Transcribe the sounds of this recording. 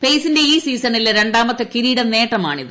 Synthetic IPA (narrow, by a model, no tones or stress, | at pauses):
pejsinde̞iːsiːsɐnilɾe̞ɳɖaːmɐt̪ːɨkiɾiːɽɐne̞ːʈrɐmaːɳiðɨ